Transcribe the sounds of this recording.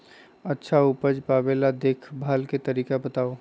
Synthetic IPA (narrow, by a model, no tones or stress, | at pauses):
ətːʃʰaupəd͡ʒpaːbelad̪eːkʰbʱaːlket̪əɾiːkabət̪aːo